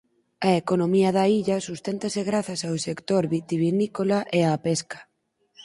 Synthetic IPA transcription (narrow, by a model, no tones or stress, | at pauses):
ɐekonomiɐðɐiʎɐsust̪ent̪ɐseɣɾaθɐsawsekt̪oɾβit̪iβinikolaʔeapeskɐ̥